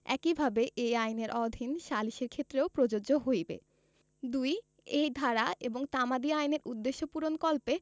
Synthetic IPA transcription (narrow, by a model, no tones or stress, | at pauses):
ɛ̰kibʱabeʔejajneɾʔɔd̪ʱinʃaliʃeɾkʰet̪ːɾeopɾod͡ʑod͡ʑoɦojbḛ | d̪uj | ejd̪ʱaɾaeboŋt̪amad̪iajneɾud̪ːeʃːopuɾonkɔlpe